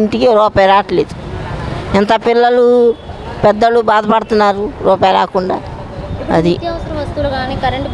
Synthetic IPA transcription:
nt̪ikiɾɔːpajɾaːʈleːd̪u | ɛnt̪ɐpilːɐlu | pɛd̪ːɐlubaːd̪ɐpɐɽt̪unːaːɾuɾɔːpaːjla̰ːkuɳɖa̰ː | ɐ̰d̪it̪iɐʋɐsɐɾɐ̃mʋɐst̪uloɡaːniːkɐɾeɳʈ

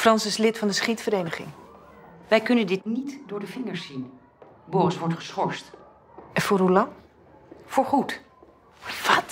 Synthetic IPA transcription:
frɑnsɪslɪtfɑndəsχitfəɾeːjnəχɪ̰ŋ | ʋɛjkɵnəndɪtnitdʊːɹdəvɪŋəɹsin | bɔːrɪsʋɔɹtχə̥sχɔɹst | ɛnfʊːrɦulɑŋ | fʊːɹχut | ʋɑt

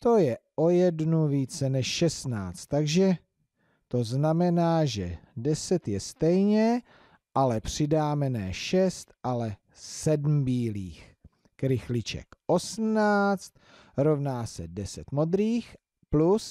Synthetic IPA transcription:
t̪o̞jɛʔo̞jɛdnuviːt͡sɛnɛʃʃɛst̪naːt͡st̪ːaɡʒɛ | t̪o̞znamɛnaːʒɛdɛsɛt̪jɛst̪ɛjɲɛ | ʔalɛpr̥ɪdaːmɛnɛːʃɛst̪ʔalɛ | sɛdm̩biːliːx | kɾɪxlɪt͡ʃɛ̰kʔo̞sm̩naːt͡st̪ | ɾo̞vnaːsɛdɛsɛt̪mo̞d̪ɾiːx | plus

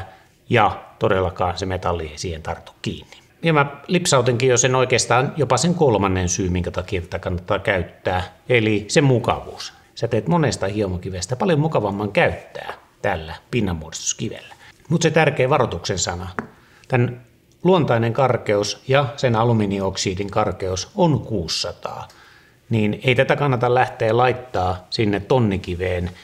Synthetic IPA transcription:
jɑt̪odelːɑkɑːnsemet̪ɑlːieisiːhent̪ɑrt̪u̥kkḭːnːi̥ | iemælipsɑut̪iŋkiːjosenoikeːst̪ɑːnjopɑseŋkolmɑnːensyːmiŋkæt̪ɑkiet̪æt̪ækɑnːɑt̪ːɑːkæyt̪ːæːelisemmukɑ̰ʋṵːs | sæt̪eːt̪monest̪ɑhiomokiʋest̪æpɑljomukɑʋɑmːɑŋkæyt̪ːæ̰ː | t̪ælːæpinːɑmːuorist̪u̥skiʋḛlːæ̥mut̪set̪ærkeːʋɑrot̪uksensɑnɑ | t̪æn | luont̪ɑineŋkɑrkeusjɑsenɑluminioksiːdiŋkɑrkeusonkuːsːɑt̪ɑ̰ː | niːneit̪æt̪ækɑnːɑt̪ɑllæht̪eːlɑit̪ːɑːsinːett̪onːikiʋeːn

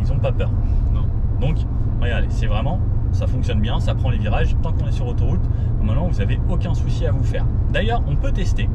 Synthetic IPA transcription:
ilzɔ̃papœːʁnɔ̃ | d̪ɔ̃k | ʁəɡaʁd̪ḛsɛvʁɛmɑ̃safɔ̃ksjɔnbjɛ̃sapχɑ̃leviʁaʒt̪ɑ̃kɔ̃nɛsyʁlot̪oʁut̪ | ɔ̃mɛ̃mɑ̃vuzaveokʲɛ̃susiavufɛːʁd̪ajœʁɔ̃pøt̪ɛst̪e

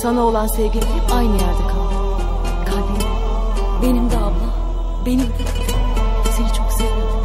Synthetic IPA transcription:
sanao̞lˠansevɟʲilʲilʲipajnɯjæɾd̪ɛkʰalˠɯ | kʰalʲd̪i | be̞nimd̪aːblˠɯ | be̞nimʰ | senit͡ʃʰo̞kseve

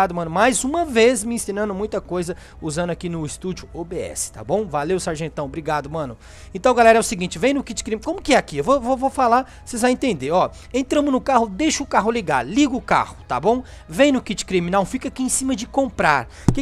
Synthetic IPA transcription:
ad̪ʊmɐ̃nʊmajzũmɐvezmɪĩsĩnɐ̃nd̪ʊmũj̃t̪ɐkojzɐ | uzɐ̃nd̪ʊakinʊɪst̪ud͡ʒʊobeɛ̰sɪ̥t̪a̰bõw̃valewsaɾʒẽnt̪ɐ̃w̃bɾiɡad̪ʊmɐ̃nʊ | ẽnt̪ɐ̃w̃ɡalɛɾɐɛʊsɪɡĩnt͡ʃɪvẽj̃nʊkit͡ʃɪ̥kɾimkõmʊkɪɛakiewvovovofala | sezvaj̃ẽnt̪ẽnd̪eɾɔ | ẽnt̪ɾɐ̃mʊnʊkaɦʊd̪eʃʊːkaɦʊliɡa̰ɾliɡʊːka̰hʊ̥t̪a̰bõw̃ | vẽj̃nʊkit͡ʃɪ̥kɾiminawfikakiẽsĩmɐd͡ʒɪkõpɾaɾ | kɪ

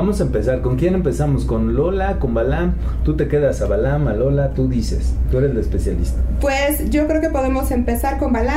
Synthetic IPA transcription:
amo̞saempe̞saɾko̞ŋkje̞ne̞mpe̞samo̞sko̞nlo̞lako̞mbalam | t̪ut̪e̞ke̞ðasaβalamalo̞lat̪uðise̞̰st̪ue̞ɾe̞zd̪espe̞sjalist̪apwesɟ͡ʝo̞kɾe̞okepo̞ðe̞mo̞se̞mpe̞saɾko̞mbala

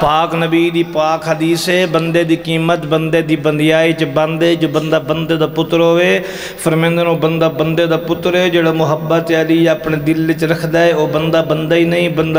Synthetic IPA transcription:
paːknəbiːd̪iːpaːkɦəd̪iːseːbənd̪eːd̪iːkiːmət̪bənd̪eːd̪iːbənd̪ɪjaːiːt͡ʃbənd̪eːd͡ʒoːbənd̪aːbənd̪eːd̪aːpʊt̪ːɾɦoːeː | pʰəɾmẽːnd̪əɾoːbənd̪aːbənd̪eːd̪aːpʊt̪ːɾeːd͡ʒeːɽaːmʊɦəbːət̪aːliːaːpɳeːd̪ɪlʋɪt͡ʃɾəkʰd̪aːeːoːbənd̪aːbənd̪aːiːnəĩːbənd̪a

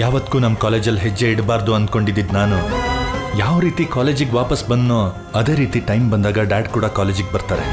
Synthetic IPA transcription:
jaːʋɐt̪ːkuːnɐmːɐkaːleːd͡ʒɐlɦed͡ʒːeiɽbaːɾd̪uɐnd̪̚ko̞ɳɖid̪ːid̪naːnu | jaːʋɾiːt̪ikaːleːd͡ʒiɡʋaːpɐsbɐnd̪noː | ɐd̪e̞ːɾiːt̪iʈɐjmbɐnd̪aːɡɐɖaːɖkuːɽɐkaːleːd͡ʒiɡ̚bɐɾt̪aːɾe

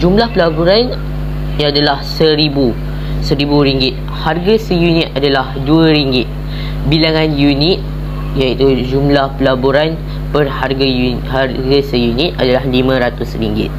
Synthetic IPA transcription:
d͡ʒumlahpəlabuɾan | jaadalahsəɾibu | səɾibuɾiŋɡɪt̪̚ | harɡasəjunit̪̚adalahduəɾiŋɡɪt̪̚ | bilaŋãnjunit̪̚ | jait̪ud͡ʒumlahpəlaboɾan | pərharɡaju | harɡasəjunit̪̚adalahlimə̃ɾat̪usriŋɡɪ̰t̪̚

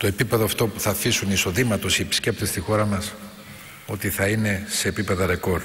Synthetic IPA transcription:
t̪o̞e̞pipeðoɐft̪o̞puθɐfisuniso̞ðimɐt̪o̞siepi̥sce̞p̚t̪est̪ixo̞ɾɐmɐs | o̞t̪iθɐine̞se̞ːpipe̞ðɐɾe̞ko̞ɾ

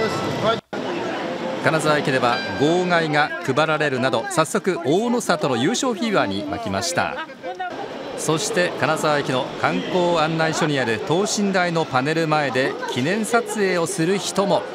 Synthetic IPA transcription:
kanazaβaekʲid̪e̞βaɡo̞ːɡaiŋakɯ̟baɾaɾe̞ɾɯ̟nad̪o̞sasːo̞kɯ̟ʔoːnosat̪o̞no̞jɯːɕo̞ːçiːβaɲ̟ima̰kʲima̰ɕi̥t̪a̰ | so̞ɕi̥t̪e̞kanazaβaekʲino̞kãŋko̞ːãnːaiɕo̞ɲ̟iaɾɯ̟t̪o̞ːɕĩnd̪aino̞pane̞ɾɯ̟mae̞d̪e̞kʲʰinẽ̞ɰ̃sat͡sɨe̞ːo̞sɨɾɯ̟çi̥t̪o̞mo̞

